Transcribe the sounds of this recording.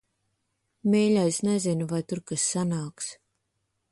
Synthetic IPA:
mɛːlʲajsnɛzinuvajt̪uɾkasːanaːks

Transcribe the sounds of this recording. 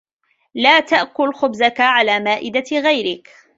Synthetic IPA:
laːt̪aʔkʊlxʊbzakaʕalaːmaːʔɪd̪aɣajɾɪk

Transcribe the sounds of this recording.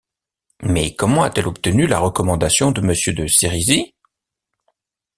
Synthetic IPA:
mɛkɔmɑ̃at̪ɛlɔp̚t̪ənyla̰ʁəkɔmɑ̃d̪asjɔ̃d̪əməsjød̪əseʁizi

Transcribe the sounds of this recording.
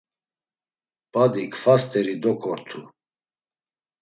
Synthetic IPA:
pʼad̪ikʰfast̪ʰʼɛɾid̪ɔkʰʼɔɾt̪ʰu

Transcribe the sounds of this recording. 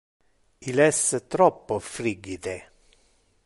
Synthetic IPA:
ilɛsət̪ɾɔpːofɾiɡːit̪e

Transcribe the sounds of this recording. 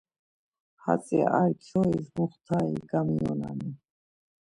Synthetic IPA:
hat͡sʼɛ̰ʔaɾt͡ʃʰɔizmuχt̪ʰaiɡamiɔnani

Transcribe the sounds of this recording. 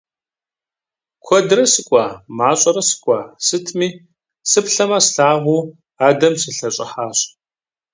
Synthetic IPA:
kʷʰɔdɨrɐsɨkʷʼaːmaːɕʼɐɾɐsɨ̥kʷʼaːsɨtʰmiː | sɨpɬɐmɐsɬaːʁʷuː | aːdɐmsɨɬɐɕʼɪħaːɕʼ

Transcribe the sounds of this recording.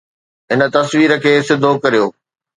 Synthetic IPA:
ɦɪnə̆t̪ɐsʋiːɾə̆kʰeːsɪd̪ʱokɐɾijoː

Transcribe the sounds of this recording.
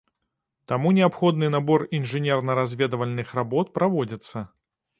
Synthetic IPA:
t̪amunʲɛapxɔd̪nɨnabɔrinʐɨnʲɛrnɐɾazʲvʲɛd̪ɐvɐlʲnɨxrabɔt̪̚pɾavɔd͡zʲit̪sːɐ

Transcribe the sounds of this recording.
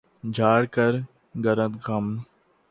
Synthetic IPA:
d͡ʒʱaːɽkəɾ | ɡəɾə̃t̪ɡɐm

